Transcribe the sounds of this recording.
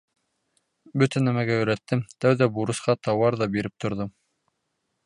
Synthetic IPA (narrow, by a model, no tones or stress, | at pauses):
bɵt̪ænæmæɡæɵ̆ɾæt̪ːɘmt̪æwðæbuɾɤ̆sqɑt̪ɑwɑɾðɑbiɾɘp̚t̪ŏɾðom